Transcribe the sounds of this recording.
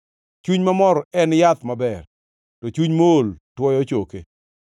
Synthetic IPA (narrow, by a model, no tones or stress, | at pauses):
t͡ʃuɲmamɔɾɔɛnjat̪mabɛr | tɔt͡ʃuɲmooltwɔjɔt͡ʃoke